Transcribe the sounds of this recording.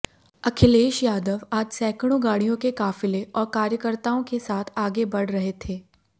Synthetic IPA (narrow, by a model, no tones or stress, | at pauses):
ɐkʰɪleːʃjaːd̪əʋaːd͡ʒsɛːkɽ̃õɡaːɽijõkekaːfɪleʔɔːɾkaːɾjəkəɾt̪aːõkesaːt̪ʰaːɡebɐɽ̤ɾɐɦet̪ʰeː